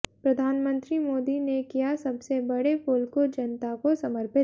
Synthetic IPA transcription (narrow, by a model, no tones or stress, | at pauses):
pɾɐd̪ʱaːnmə̃nt̪ɾimoːd̪inekijasɐbsebɐɽepoːlkod͡ʒɐnt̪akosɐməɾpɪ